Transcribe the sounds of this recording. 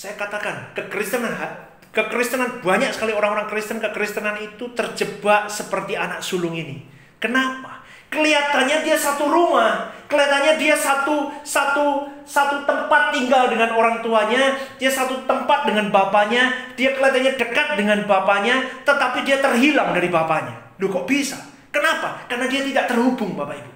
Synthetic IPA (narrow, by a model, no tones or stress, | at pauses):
sajakat̪akankəkɾist̪ənanɦa | kəkɾist̪ənanbaɲak̚sə̥kalioɾaŋoɾaŋkɾist̪ənkəkɾist̪ənanit̪ut̪ərd͡ʒəbaʔsəpərt̪ianak̚sulʊŋinḭ | kənapḁ | kəliat̪anɲadiasat̪uɾumahkəliat̪anɲadiasat̪usat̪usat̪ut̪əmpat̪ːiŋɡaldəŋanoɾaŋt̪uaɲad̥iasat̪ut̪əmpat̪̚dəŋanbapaɲad̥iakəliat̪anɲadəkat̪̚dəŋanbapaɲat̪ət̪apidiat̪ərɦilaŋdaɾibapaɲa̰ | dukoʔbisa̰ | kənapakarnadiat̪idaʔt̪ərhubʊŋbapaibu